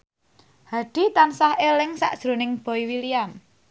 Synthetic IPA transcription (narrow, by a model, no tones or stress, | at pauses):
haɖ̥i̤t̪ansahelɪŋsa̰ʔd̥ʒ̥ɾṳnɪŋb̥ɔ̤iwiliam